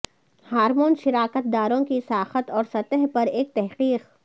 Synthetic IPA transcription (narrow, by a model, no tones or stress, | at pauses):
haːɾmoːnʃɪɾaːkət̪̚d̪aːɾõkisaːxət̪ɔːɾsɐt̪əɦpɐɾeːk̚t̪ɛɦqiːq